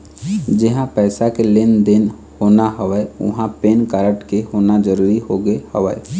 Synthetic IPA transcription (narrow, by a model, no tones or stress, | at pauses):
d͡ʒɪɦãpɛːsakelɪnd̪ɪn | hoːnaɦəʋəeʊ̰ɦãpeːnkaɾəʈkehoːnad͡ʒəɾuːɾiɦoɡehəʋə